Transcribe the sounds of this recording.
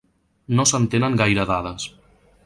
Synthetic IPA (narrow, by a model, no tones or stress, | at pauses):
nosənt̪enəŋɡajɾəðað̞əs